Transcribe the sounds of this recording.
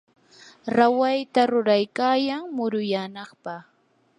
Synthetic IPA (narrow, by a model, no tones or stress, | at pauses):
ɾawajt̪aɾʊɾajkaːjaŋmʊɾʊjaːnɑχpɑχ